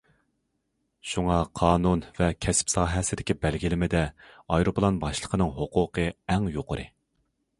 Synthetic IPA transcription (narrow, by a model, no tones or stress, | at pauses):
ʃuŋɑqʰɑːnunvɛkʲʰɛspsɑːɦɛsɪd̪ɪkʲibɛlɡʲilɪmɪd̪ɛɑjɾoplˠɑnbɑʃlˠəqʰənɨŋɦoqʊːqʰəɛŋjoqʰəɾʔɨ